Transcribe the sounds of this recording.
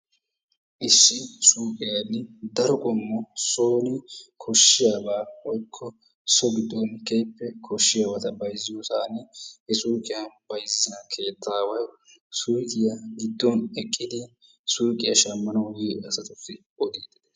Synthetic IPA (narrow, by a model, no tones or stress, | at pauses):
ʔɪsːɪsuːkʼɪjanːɪd̪ɐɾɔkʼɔmːɔsoːnɪkʰɔʃːɪjaːbaːɔjkʰːɔ | sɔɡɪd̪ːɔnkɛjpːɛkʰɔʃːɪjaːbɐt̪ɐbɐjzːɪjosaːnɪhɛsuːkʼɪjɐb̥ɐjzzɪnɐkʰe̞ːt̪ʰːaːwɐj | suɾkɪjɐɡɪd̪ːɔnɛkʼːɪd̪ɪ | suːkʼɪjɐʃɐmːɐnɐwjiʔɐsɐt̪ʊfːɪ | ɔd̪iːd̪ɪd̪